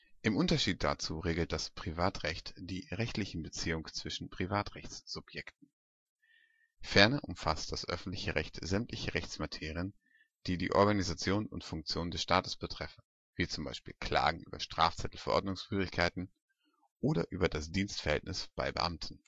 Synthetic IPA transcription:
ʔɪmʔʊntɐʃiːt̚d̥a̰t͡suːʁeːɡl̩t̚d̥aspʁ̥ivaːtʁɛçtd̥iːʁɛçtlɪçn̩bət͡siːʊŋt͡sv̥ɪʃn̩pʁ̥ivaːtʁɛçt͡sz̥ʊpjɛktn̩ | fɛɐnɐʔʊmfast̚d̥asʔœ̰fn̩tlɪçəʁɛçtz̥ɛmtlɪçəʁɛçt͡smatʰeːʁiən | d̥iːdḭːʔɔ̰ɐɡanizat͡sjoːnnʊ̰ntfʊŋk̚t͡sjoːnndɛsʃtaːtə̥sb̥ətʁ̥ɛfn̩ | v̥iːt͡sʊmba̰ɪʃpḭːlkʰl̥a̰ːɡŋ̩ʔy̰ːbɐʃtʁ̥a̰ːft͡sɛtl̩fɛɐʔɔ̰ɐdnʊŋsfyːʁɪçkʰaɪtn̩ | ʔoːɾɐ̰ʔyːbɐdasd̥iːnstfɛɐhɛ̰ltnɪsb̥a̰ɪbə̰ʔa̰mtʰn̩

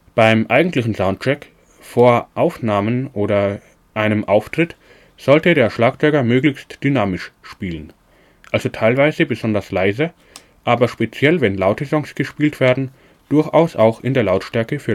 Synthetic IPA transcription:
b̥aɪmʔaɪɡŋ̩tlɪçn̩zaʊ̃nt̚t͡ʃɛk | foːɐʔaʊfnaːmənʔoːɾɐ | ʔaɪnəmʔaʊftʁ̥ɪt | z̥ɔltədeːɐʃlaːkt͡sɔʏɡɐmøːɡlɪçstd̥ynaːmɪʃʃpiːlən | ʔalzotʰaɪlvaɪzəbəzɔndɐslaɪzə | ʔaːbɐʃpet͡sjɛlvɛnlaʊtəzɔŋsɡ̥əʃpiːltv̥eːɐdn̩ | d̥ʊɐçʔa̰ʊsʔaʊxɪndeːɐlaʊtʃtɛɐkəfyːɐ

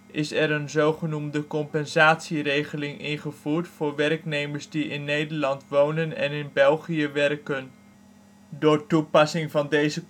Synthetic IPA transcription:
ʔɪsɛɾənzowχənumdəkɔmpɛnzaːtsirejχəlɪŋɪnχəv̥uːɹtfʊːɹʋɛrknejməɹsdiɪnːejdəɹlɑntʋownənɛ̰nɪnbɛlˠχiəʋɛrkən | dʊːɹtupɑsɪŋvɑndejzə

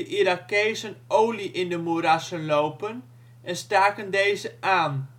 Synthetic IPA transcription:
əʔiɾakeːsənowliʔɪndəmuɾasənloːpən | ɛnstaːkəndejzəʔaːn

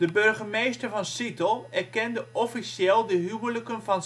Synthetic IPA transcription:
d̥əbørɣəmejstərvɑnsitəlˠɛrkɛndəʔɔfisjɛlˠdəɦywləkənfɔn

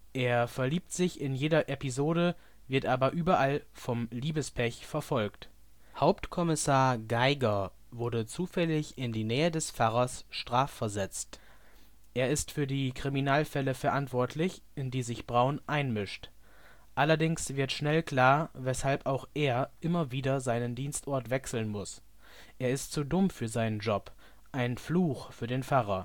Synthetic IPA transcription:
ʔeːɐfɛɐliːp̚tz̥ɪçɪnjeːdɐʔɛpizoːɾə | vɪɐtʔaːbɐʔyːbɐʔalfɔmliːbəspʰɛçfɛɐfɔlkt | haʊptkʰɔmɪsaːɐɡaɪɡɐ | vʊɐdət͡suːfɛlɪçɪndiːnɛːədɛsfaʁɐsʃtʁ̥aːfːɛɐzɛt͡st | ʔeːɐɪstfyːɐdiːkʁ̥iminaːlfɛləfɛɐʔantv̥ɔɐtʰlɪçʔɪndiːzɪçb̥ʁaʊnʔaɪnmɪʃt | ʔalɐdɪŋsv̥ɪɐtʃnɛlkl̥aːɐvɛshalpaʊxʔeːɐʔɪmɐviːdɐzaɪnəndiːnstʔɔɐtv̥ɛksl̩nmʊs | ʔeːɐɪstt͡sudʊmfyːɐzaɪnənd͡ʒɔp | ʔaɪnfluːxfyːɐdeːnfaʁ̞ɐ

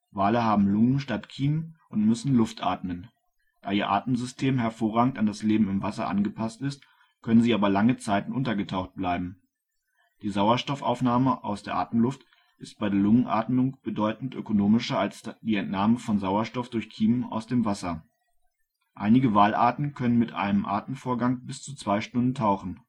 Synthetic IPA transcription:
vaːləhaːbm̩lʊŋənʃtatkʰiːmʔʊntmʏsn̩lʊftʔa̰ːtmən | d̥aːiːɐʔa̰ːtm̩zʏstʰeːmɦɛɐfoːɐʁaːɡŋ̩tandasleːbm̩ɪmvasɐ̰ʔa̰nɡəpʰastɪst | kʰœnənziːaːbɐlaŋət͡saɪtn̩ʔʊntɐɡətʰaʊxt̚b̥laɪbm̩ | d̥iːzaʊɐʃtɔfʔa̰ʊfnaːməʔa̰ʊsd̥eːɐʔa̰ːtm̩lʊft | ʔɪst̚b̥aɪdeːɐlʊŋənʔa̰ːtmʊŋb̥ədɔʏtn̩tʔø̰konoːmɪʃɐalsd̥iːɛntnaːməfɔnzaʊɐʃtɔfd̥ʊɐçkʰiːməʔa̰ʊsd̥eːmvasɐ | ʔa̰ɪnɪɡəvaːlʔa̰ːtn̩kʰœnənmɪtʔa̰ɪnəmʔa̰ːtn̩foːɐɡaŋbɪst͡sut͡sv̥aɪʃtʊndn̩tʰaʊxn̩

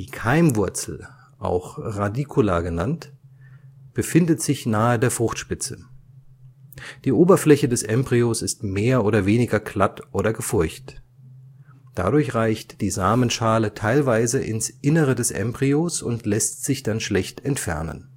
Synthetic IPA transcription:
d̥iːkʰaɪmvʊɐt͡sl̩ | ʔa̰ʊxʁadikʰulaːɡənant | b̥əfɪndətz̥ɪçnaːədeːɐfʁ̥ʊχtʃpɪt͡sə | d̥iːʔoːbɐflɛçədɛsʔɛmbʁiosɪstmeːɐʔoːɾɐveːnɪɡɐkʰl̥atʔoːɾɐɡəfʊɐçt | d̥a̰dʊɐçʁaɪçtd̥iːzaːmənʃaːlətʰaɪlvaɪzəʔɪ̰nsʔɪnəʁədɛsʔɛ̰mbʁiosʊ̰ntlɛstz̥ɪçd̥anʃlɛçtɛntfɛ̰ɐnə̰n

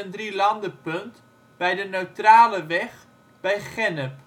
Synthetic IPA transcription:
əndrilɑndəpɵnt | b̥ɛjdənøɥtraːləʋɛχ | b̥ɛjχɛnəp

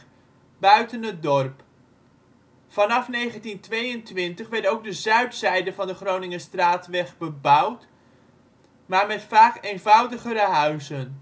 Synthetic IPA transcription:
bœɥtənɦət̚dɔrp | fɑnɑfnejχəntintʋejəntʋɪntəχʋɛɹtowɡ̚dəzœɥtsɛjdəvɑndəχrownɪŋəstraːtʋɛχbəbʌwt | maːɹmɛtfaːkejnvɑwdəχəɾəɦœɥzən

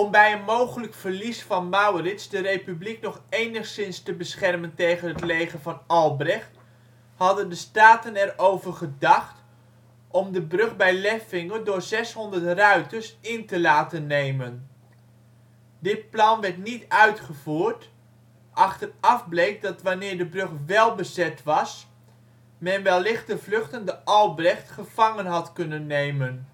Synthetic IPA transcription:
ɔmbɛjənmowχələkfəɹlisfɑnmɑwrɪtsdərejpybliknɔχejnəχsɪnstəbəsχɛrməntejχənɦətlejχənvɑnɑlˠbrɪχt | hɑdəndəstaːtənɛrowvəɹχədɑχt | ʔɔmdəbrɵχbɛjlɛfɪŋəndʊːɹzɛsɦɔndərtrœɥtəɹsɪntəlaːtənːejmən | dɪt̚plɑnʋɛɹtnitœɥtχəvuːrt | ʔɑχtərɑfblejk̚dɑtʋanɪːɹdəbrøχʋɛlˠbəzɛtʋɑs | mɛnʋɛlˠːɪχtəvlɵχtəndəʔɑlˠbrɛχtχəv̥ɑŋənɦɑtkɵnənːejmən

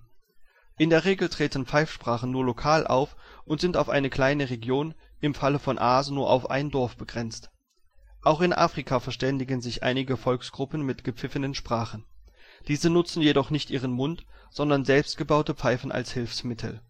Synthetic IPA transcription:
ʔɪndeːɐʁeːɡl̩tʁ̥eːtn̩p͡faɪfʃpʁ̥aːχn̩nuːɐlokʰaːlʔa̰ʊfʔʊntz̥ɪntaʊfʔa̰ɪnəkl̥aɪnəʁeɡjoːnʔɪmfaləfɔnʔaːznuːɐʔa̰ʊfʔa̰ɪndɔɐfb̥əɡʁɛnt͡st | ʔaʊxɪnʔa̰ːfʁ̥ikʰafɛɐʃtɛndɪɡənzɪçʔa̰ɪnɪɡəfɔlksɡ̥ʁʊpn̩mɪtɡ̥əp͡fɪfənənʃpʁ̥aːχn̩d̥iːzənʊt͡sn̩jedɔχnɪçtʔiːʁ̞ənmʊntz̥ɔndɐnzɛlpstɡ̥əbaʊtəpp͡faɪfn̩ʔa̰lshɪlfsmɪtʰl̩

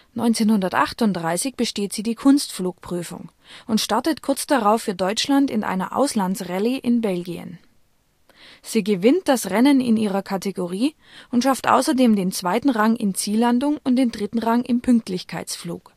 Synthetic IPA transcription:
nɔʏnt͡seːnhʊndɐtʔa̰χtʊnt̚d̥ʁaɪsɪçb̥əʃteːtz̥iːdiːkʰʊnstfluːk̚pʁ̥yːfʊ̰ŋ | ʔʊntʃtaɐtətkʰʊɐt͡sd̥aʁaʊfːyːɐdɔʏt͡ʃlantɪnʔa̰ɪnɐ̰ʔa̰ʊslant͡sʁɛləʔɪnbɛlɡiə̰n | z̥iːɡəvɪnt̚d̥asʁɛnənɪ̰niːʁ̞ɐkʰateɡoʁ̞iː | ʔʊntʃaftʔa̰ʊsɐdeːmdeːnt͡sv̥aɪtn̩ʁaŋʔɪ̰nt͡siːlandʊŋʊnt̚d̥eːndʁɪtn̩ʁaŋʔɪmpʰʏŋk̚tʰlɪçkʰaɪt͡sflṵːk

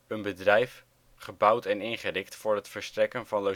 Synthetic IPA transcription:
ənbədrɛjf | χəbʌwtɛnɪnχərɪktfʊːɹɦətfəɹstrɛkənvɑnlo

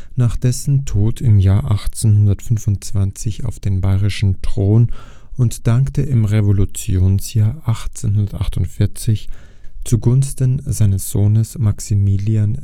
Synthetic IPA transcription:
naːχd̥ɛsn̩tʰoːtʰɪmjaːɐʔaχt͡senhʊndɐtfʏnvʊntt͡sv̥ant͡sɪça̰ʊfd̥eːnbaɪʁɪʃn̩tʁ̥oːn | ʊntd̥aŋktəʔɪmʁevolut͡sjoːnsjaːɐʔaχt͡senhʊndɐtʔaχtʊntfɪɐt͡sɪç | t͡suɡʊnstən̩zaɪnəsz̥oːnəsmaksimilian

